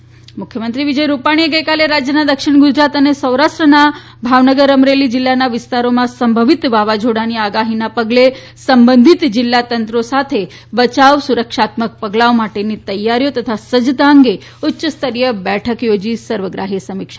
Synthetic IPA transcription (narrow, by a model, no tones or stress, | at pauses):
mʊkʰjəmənt̪ɾiʋid͡ʒəjɾupaɽ̃ieɡəjkaleɾad͡ʒjənad̪əkʃɪɳɡʊd͡ʒɾat̪ənesəwɾaʃʈɾəna | bʱaʋnəɡəɾəmɾelid͡ʒɪlːanaʋɪst̪aɾomãsəmbʱəʋit̪ʋaʋad͡ʒʱoɽaniaɡaɦinapəɡle | səmbənd̪ʱit̪d͡ʒɪlːat̪ənt̪ɾosat̪ʰe | bət͡ʃaʋsuɾəkʃat̪mək̚pəɡlaomaʈenit̪əjːaɾjot̪ət̪ʰasəd͡ʒd̪aəŋɡe | ʊtːʃəst̪əɾijəbɛʈʰəkjod͡ʒisəɾʋəɡɾaɦisəmikʃa